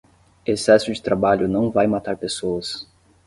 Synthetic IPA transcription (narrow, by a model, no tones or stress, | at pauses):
esɛsʊd͡ʒɪt̪ɾabaʎʊnɐ̃w̃vajmat̪aɾpesoɐs